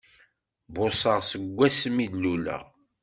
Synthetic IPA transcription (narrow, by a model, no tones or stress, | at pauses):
bʊsˤəʁsəɡʷːæsmid̪lulə̰ʁ